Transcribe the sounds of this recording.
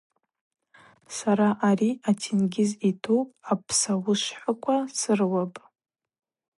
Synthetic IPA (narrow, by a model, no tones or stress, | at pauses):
saɾaʔaɾiatʰinɡʲɪzitʰupʼapʰsawʊʃħʷakʷʰʼasɨrwapʼ